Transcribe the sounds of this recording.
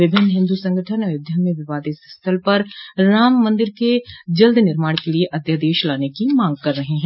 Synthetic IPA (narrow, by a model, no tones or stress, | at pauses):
ʋɪbʱɪnːɦɪ̃nd̪usɐ̃ŋɡəʈʰənɐjʊd̪ʱjənmẽʋɪʋaːd̪isst̪ʰəlpɐɾːaːmːɐ̃nd̪ɪɾked͡ʒɐld̪ʱnɪɾmaːɽkelieʔɐd̪ʱjad̪eːʃlaːnekimãːŋɡ̚kɐɾːɐɦeɦɛ̃ː